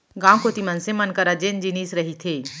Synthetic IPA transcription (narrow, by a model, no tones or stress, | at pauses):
ɡãːwkot̪imənsemɐnkəɾad͡ʒeːnd͡ʒiniːsɾɐɦit̪ʰeː